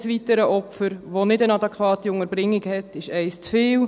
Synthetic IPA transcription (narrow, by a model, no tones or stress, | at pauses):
sʋitəɾəʔɔpfəɾʋonɪdənɑdɛkχʋɑːtiʊŋəɾbɾɪŋːiɡhɛtɪʃɛɪst͡sfɪːw